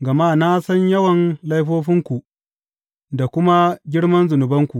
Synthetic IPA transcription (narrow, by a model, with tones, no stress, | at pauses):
ɡɐ˨maː˦na˦sɐ˦ɲjɐ˦wɐ˨nlɐ˦jɸoː˦ɸɪ˦ŋkʷu˨ | da˨kʷʊ˦ma˦ɡʲɪ˦ɽmɐ˦nzʊ˨nʊ˨bɐ˦ŋkʷu˨ʔ